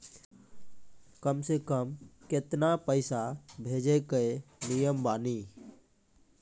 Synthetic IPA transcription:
kəmsekəmkɪt̪napəɪsabʱeːd͡ʒekəenijəmbaːni

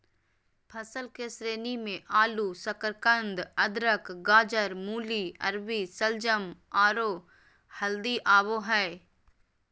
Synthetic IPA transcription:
pʰɐsəlkesɾeːnimẽʔaːlusəkəɾkə̃nd̪ɐd̪ɾəkɡaːd͡ʒəɾmuːliɐ̰ɾʋisəld͡ʒəmaːɾoː | hɐld̪iʔaːʋoɦɛː

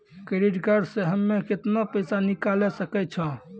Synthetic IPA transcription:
keɾiɖɡaɖseɦəmːekɪt̪napəjsanikalesəkɛt͡ʃʰə̃

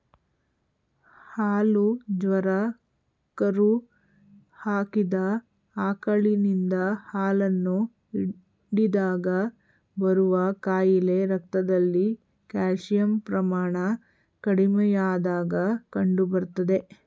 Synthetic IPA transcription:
haːlud͡ʒʋɐɾɐ | kɐɾu | haːkid̪ɐ | aːkɐɭinind̪ɐhaːlɐnːu | i | ɽid̪aːɡɐ | bɐɾuʋɐkaːjile̞ɾɐkt̪ɐd̪ɐlːi | kaːʂijɐmpɾɐmaːɳɐ | kɐɽimɛjaːd̪aːɡɐkɐɳɖubɐɾt̪ɐd̪e̞

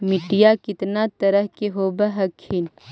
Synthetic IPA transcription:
mɪʈijakɪt̪nat̪ɐɾəɦkeɦoːbɐɦɐkʰːin

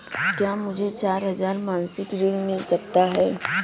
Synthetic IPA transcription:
kjaːmʊd͡ʒʱet͡ʃaːɾɦɐzaːɾmãːnsɪkɾɪlmɪlsɐkt̪aɦɛː

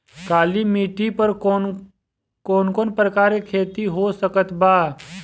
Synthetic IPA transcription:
kaːlimiːʈipəɾ | koːnkoːnpɾəkaːɾekʰeːt̪iɦosəkət̪baː

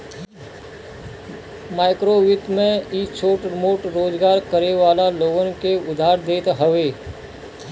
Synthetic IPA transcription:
maːɪkɾoʋɪt̪mẽit͡ʃʰoːʈɾɪmoːʈɾoːd͡ʒɡaːɾkəɾeʋaːlaloːɡənkeʊd̪ʱaːɾd̪eːt̪ɦəʋeː

